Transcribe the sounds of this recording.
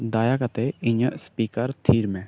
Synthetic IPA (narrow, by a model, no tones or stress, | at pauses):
d̪aːjakat̪eiɲəʔspiːkəɾt̪ʰiːɾmɛ̃